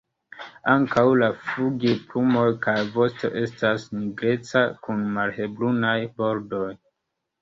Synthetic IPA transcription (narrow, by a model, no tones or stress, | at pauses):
aŋkawlafuɡiplumo̞jkajvo̞sto̞ʔe̞stasniɡɾe̞t͡sakunmalhe̞blunajbo̞ɾdo̞j